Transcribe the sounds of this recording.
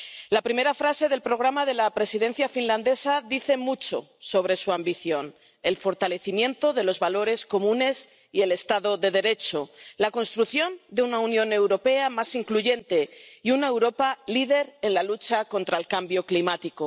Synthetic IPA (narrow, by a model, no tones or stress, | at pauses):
lapɾime̞ɾafɾase̞ðe̞lpɾo̞ɣ̞ɾamaðe̞lapɾe̞sið̞e̞n̟θjafinland̪e̞saðiθe̞mut͡ʃo̞̰so̞β̞ɾe̞suambiθjo̞n | e̞lfo̞ɾt̪ale̞θimjẽ̞nt̪o̞ðe̞lo̞zβalo̞ɾe̞sko̞mũne̞s | ie̞le̞st̪aðo̞ðe̞ðe̞ɾe̞t͡ʃo̞lakonst̪ɾuθjo̞nd̪e̞unaunjõ̞ne̞wɾo̞pe̞amasiŋkluʝe̞nt̪e̞iune̞wɾo̞palið̞e̞ɾe̞nlalut͡ʃako̞nt̪ɾaelkambjo̞klimat̪iko